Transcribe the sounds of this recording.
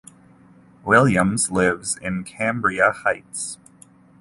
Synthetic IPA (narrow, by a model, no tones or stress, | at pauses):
wɪlˠjɨ̃mzlɪvzɪ̰̃nkʰæ̃mbɹiəhaɪts